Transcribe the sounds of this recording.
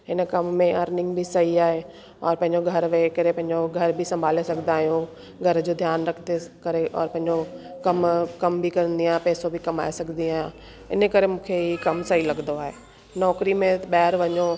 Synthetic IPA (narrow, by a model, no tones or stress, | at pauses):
ɦɪnəkɐmːẽɔːɾnɪ̃ŋɡbʱisɐɦiaːɦe | ɔ̰ːɾpɐ̃ɦɪ̃ɲd͡ʑoɡʱɐɾʋekɐɾepɐ̃ɦɪ̃ɲd͡ʑoɡʱɐɾbʱisɐ̃mbʱaːlesɐɡʱnd̪aːɦijũ | ɡʱɐɾd͡ʑoːd̪ʱjaːnɾɐkʰt̪ekɐɾeʔɔ̰ːɾpɐ̃ɦɪ̃ɲd͡ʑokɐmkɐmbʱikɐɾə̃nd̪iaːpɛːsobʱikɐma̰ːesɐɡnd̪iaːɦjã | ɪ̰nkɐɾemũːkʰeɦikɐmsɐɦilɐɡənd̪oaːɦeː | nɔːkɾimẽɓɐːɦɪɾʋɐɲo